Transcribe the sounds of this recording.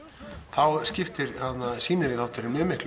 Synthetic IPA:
θawscɪft̪ɪɾhat̪nːasiːnɪðɪθawt̪ʏɾɪnɪːmɪhkl

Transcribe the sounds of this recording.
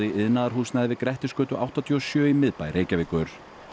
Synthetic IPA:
ɪʔɪðnaðaɾ̥ɦuːsnaðvɪðkɾɛht̪ɪskœːt̪ʏʔa̰wht̪at̪ʰiɔsjœːimɪðpajɾʔeːjcavɪːkʏɾ̥

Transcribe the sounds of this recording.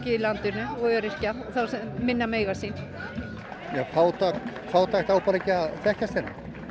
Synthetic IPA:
cɪilant̪ʏnʏɔœɾɪr̥caθawsɛmmɪnːameːjɣasin | jɛfaːwt̪a | faːwt̪axt̪aːwpalɛcɪaðθɛhcasɪnːa

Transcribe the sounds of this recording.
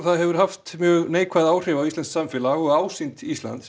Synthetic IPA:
θaðɦɛvʏɾ̥haft̪mjœːɣneːjkʰvaðaːwr̥ɪvawist̪lɛnsamfɛlaɣɔɣaːwsint̪ist̪la̰nt̪

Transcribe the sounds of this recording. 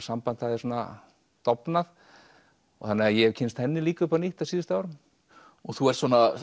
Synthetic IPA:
sampant̪haðɪsɔːna̰ | t̪ɔpnað | ɔ̰θanɪajɛɛcʰɪnst̪hɛnːɪliːkaʏpaniht̪asiːðʏst̪aaːwɾʏm | ɔɣθuɛɾt̪sɔːna

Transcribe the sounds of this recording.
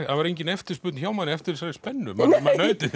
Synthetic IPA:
aðvaɾejɲcɪnɛft̪ɪɾspʏːt̪nçaːwmanɪɛft̪ɪɾsaɾɪspɛnːʏmamanːœɥt̪ɪ

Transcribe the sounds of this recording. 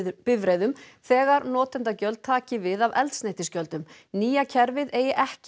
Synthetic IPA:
pɪvɾejðʏmθɛːɣaɾnɔːt̪ɛnt̪acœlt̪̚t̪ʰːaːcɪvɪðavɛ̰lt̪snejht̪ɪscœlt̪ʏm | niːjacʰɛɾvɪðeːjɪʔɛhc

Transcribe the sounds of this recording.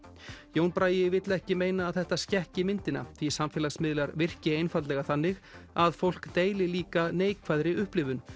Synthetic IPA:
jownpɾaːjɪvɪt̪lɛhcɪmeːjnaːðθɛht̪ascɛhcɪmɪnt̪ɪna̰θʰvisamfɛːlasmɪðlaɾvɪr̥cɪejnfat̪lɛɣaθanːɪɣaðfowl̥kt̪eːjlɪliːkaneːjkʰvaðɾɪʏhplɪvʏn

